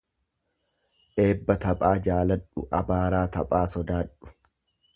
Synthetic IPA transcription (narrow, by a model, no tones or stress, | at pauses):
ʔe̞ːbːɐt̪ɐpʼaːd͡ʒaːlɐᶑʊʔɐbaːɾaːt̪ɐpʼaːsɔd̪aːᶑʊ̥